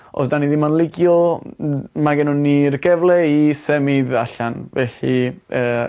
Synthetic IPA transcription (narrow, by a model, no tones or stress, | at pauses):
ʔɔ̰ðdaniðimanlˠɪɡjɔ | maɡɛnɔnirɡɛvlˠɛisɛmiðaɬanvɛɬiəː